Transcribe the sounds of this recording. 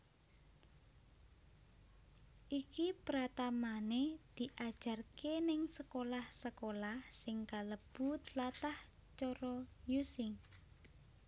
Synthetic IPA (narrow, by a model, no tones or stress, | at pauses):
ʔikipɾat̪amaned̪̥i̤ʔad̥ʒ̥a̤rkenɪŋsəkolahsəkolahsɪŋkaləb̥ut̪lat̪ah | t͡ʃɔɾɔjusɪŋ